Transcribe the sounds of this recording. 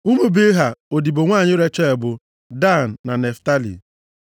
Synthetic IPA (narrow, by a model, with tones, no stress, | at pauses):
u˦me˦be˦ɦa˨o˨di˨bo˨ŋʷaː˦˨ɲɪ˦ɾe˦t͡ʃe˦e˨bʊ˨ | da˦˨n̩ː˨a˨ne˨fta˦lḭ˨